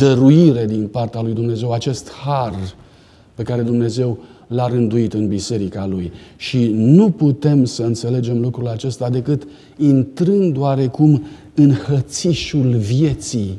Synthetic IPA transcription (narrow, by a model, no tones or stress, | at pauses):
d̪əɾuiɾe̞d̪inpart̪ealujd̪umne̞ze̞wat͡ʃe̞st̪har | pe̞kaɾe̞d̪umne̞ze̞wlaɾɨnd̪uit̪ɨnbise̞ɾikalujʃinuput̪e̞msəɨnt̪se̞le̞d͡ʒe̞mlukɾulat͡ʃe̞st̪ad̪e̞kɨt̪ | int̪ɾɨnd̪d̪oaɾe̞kum | ɨnhət̪siʃulvje̞t̪si